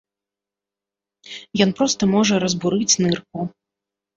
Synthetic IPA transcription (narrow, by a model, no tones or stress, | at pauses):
jɔnpɾɔst̪ɐmɔʐɐɾɐzbuɾɨt͡sʲnɨrku